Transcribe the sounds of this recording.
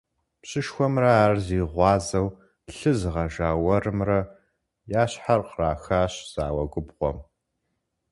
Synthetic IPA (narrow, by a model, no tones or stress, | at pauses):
pɕɪʃxʷɔmrɐaːrziːʁʷɑːzɐw | ɬɨzɨʁɐʒaːwɐrɨmrɐ | jaːɕħarqraːxaːɕz̥aːwɐ̰ɡʷʊbʁʷɔ̰m